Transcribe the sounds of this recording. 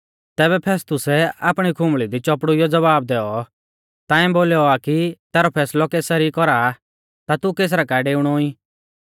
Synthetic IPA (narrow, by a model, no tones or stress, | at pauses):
t̪ɛːbɛpʰeːst̪ʊsɛaːpɽ̃ikʰʊ̃mbɭid̪it͡ʃɔpɽujɔd͡zɐʋaːbd̪ɛːɔ | t̪ãːĩboːlɔakit̪ɛːɾɔpʰɛːslɔkeːsɐɾikɔɾa | t̪at̪ukeːs̬ɾakaːɛɖeːʊɽ̃ɔoĩ